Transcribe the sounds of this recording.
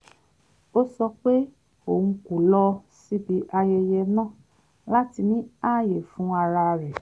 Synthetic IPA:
o˦sɔ˧k͡pe˦ | õ˦˨˧ku˨lɔ˧si˦bi˨˦ʔa˧jɛ˧jɛ˧nãː˦˨ | la˦ti˧nĩ˦a˦˨je˨fũ˨˦a˧ɾa˧ɾɛ˨

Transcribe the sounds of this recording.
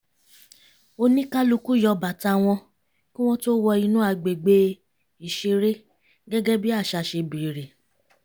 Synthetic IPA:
o˧nĩ˦ka˦lu˧ku˦˨jɔ˧ba˨ta˧w̃ɔ̃˧ | kĩ˦w̃ɔ̃˦to˦wɔ˧i˧nũ˦a˧ɡ͡be˨ɡ͡be˦ | i˨ʃe˧ɾe˦ | ɡɛ˦ɡɛ˦bi˦a˦˨ʃa˧ʃe˧bi˨ɾe˨

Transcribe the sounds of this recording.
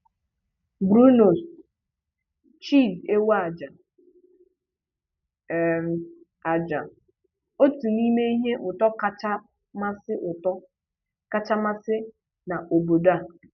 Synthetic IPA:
bɾu˦no˨s | t͡ʃi˦˨de˦wa˦a˨d͡ʒa˨ | a˨d͡ʒa˨ | o˦tu˨ni˦me˦i˦ɦe˦ʔʊ˨tɔ˦ka˦t͡ʃa˦ | ma˦sɪ˦ʔʊ˨tɔ˦ | ka˦t͡ʃa˦ma˦sɪ˦ | na˨ʔo˨bo˨da˦˨

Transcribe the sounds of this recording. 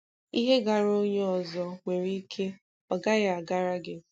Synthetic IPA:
i˦ɦe˦ɡa˨ɾo˦ɲe˦ɔ˨zɔ˨ŋʷe˨ɾi˦kʰe˦ | ɔ˨ɡa˦ɣa˨a˨ɡa˦ɾa˦ɡɪ˦

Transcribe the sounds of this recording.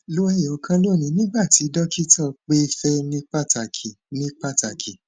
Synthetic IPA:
lo˦ɛ˦je˨o˨˧kã˧lo˦˨nĩ˧nĩ˦ɡ͡ba˦˨ti˨˦dɔ˦ki˦tʰɔ˦˨k͡pe˦fɛ˦nĩ˦k͡pa˦˨ta˨kʰi˨ | nĩ˦k͡pa˦˨ta˨kʰi˨

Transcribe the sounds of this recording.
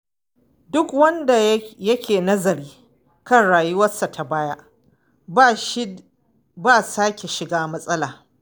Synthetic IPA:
dʊ˦kwɐ˦nda˨jɐ˦kʲeː˨nɐ˦zɐ˨ɾiː˦ | kɐ˦nɽaː˨ju˦wɐ˦sːa˨tʰa˨baː˦ja˦ | baː˦˨saː˦kʲe˨ʃɪ˨ɡaː˦mɐ˦sʼɐ˦laː˨

